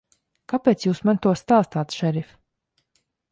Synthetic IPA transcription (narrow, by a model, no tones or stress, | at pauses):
kapʲeːt̪sjuːsmant̪uɔst̪aːst̪aːt̪ʃɛɾif